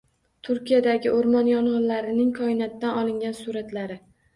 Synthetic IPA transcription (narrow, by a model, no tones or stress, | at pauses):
t̪ʰʊɾkʲijad̪aɡʲɪʔoɾmɒnjɒɴʁɨnlaɾɪnɪŋkʰɒɪnat̪ːanɒlˠɪŋɡʲansuɾat̪laɾɪ